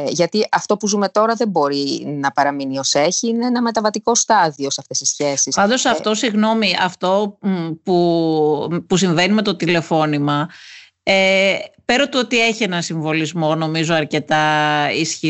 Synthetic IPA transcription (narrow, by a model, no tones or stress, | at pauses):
ʝɐt̪iʔɐft̪o̞puzume̞t̪o̞ɾɐðe̞bo̞ɾinɐpɐɾɐminio̞seçiineenɐme̞t̪ɐvɐt̪iko̞st̪ɐðio̞seɐft̪e̞sisçe̞sispɐnd̪o̞sɐft̪o̞siɣno̞miɐft̪o̞pu | pus̬iɱve̞nime̞t̪o̞t̪ile̞fo̞nimɐ | epeɾo̞t̪uo̞t̪ie̞çienɐnsiɱvo̞lizmo̞no̞mizo̞ɐɾce̞t̪ɐisçi